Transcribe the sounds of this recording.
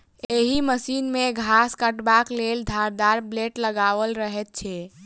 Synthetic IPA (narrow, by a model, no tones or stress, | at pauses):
eɦiməsinmeɡʱaskəʈbakleld̪ʱaɾd̪aɾbleʈləɡaʋəlɾəɦɛt̪̚t͡ʃʰɛ